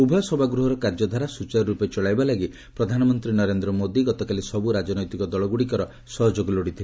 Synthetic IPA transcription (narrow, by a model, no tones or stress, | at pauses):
ubʱɔjɔsɔbʱaɡɾuɦɔɾɔkaɾd͡ʒɔd̪ʱaɾasut͡ʃaɾɔɾupet͡ʃɔɭajbalaɡi | pɾɔd̪ʱanɔmɔnt̪ɾinɔɾend̪ɾɔmod̪iɡɔt̪ɔkalisɔbuɾad͡ʒɔnɔjt̪ikɔd̪ɔɭɔɡuɽikɔɾɔ | sɔɦɔd͡ʒoɡɔloɽit̪ʰile